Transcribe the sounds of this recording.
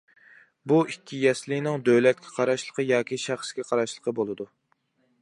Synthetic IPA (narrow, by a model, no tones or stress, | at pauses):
buʔikʲʰːijɛslɪnɪŋd̪øwlɛt̪̚kʲʰɛqʰɑɾɑʃlˠəqʰəjɑːkʲiʃæχskʲɛqʰɑɾɑʃlˠəqʰəbolˠɨd̪u